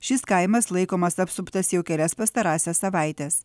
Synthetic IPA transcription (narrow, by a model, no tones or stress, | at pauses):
ʃʲɪskɐɪmɐslˠɐɪkoːmɐsɐpsʊpt̪ɐsjɛʊkʲɛlʲɛspɐst̪ɐɾɑːsʲɛssɐʋɐˑɪt̪ʲɛs